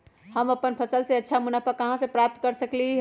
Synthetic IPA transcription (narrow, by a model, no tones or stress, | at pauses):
həməpənpʰəsəlseətːʃʰamunapəkəɦãsẽpɾap̚t̪kəɾsəkli